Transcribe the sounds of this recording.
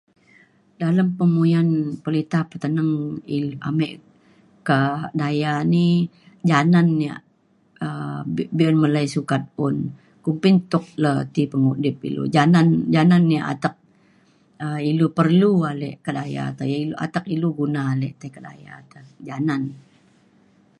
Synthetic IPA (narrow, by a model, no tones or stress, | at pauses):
daləmpəmujanpəlit̪apət̪ənəŋia̰meʔ | kədajani | d͡ʒananːia̰ʔ | əbiənməlajsukat̪̚ʊn | kumpɪnt̪ʊk̚lət̪ipəŋudɪp̚ḭlṵd͡ʒanand͡ʒananːiaʔa̰t̪ək̚ | əilupərlualɛʔkədaja̰t̪aiuʔa̰t̪ək̚iluɡunaːlɛʔt̪əkəda̰ja̰t̪əd͡ʒanan